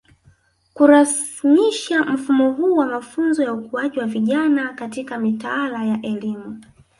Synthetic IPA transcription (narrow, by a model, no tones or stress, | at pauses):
kuɾasmiʃam̩fumɔɦuːwamafunzɔjaukuwaʄiwaviʄanakatikamitaalajaʔɛlimu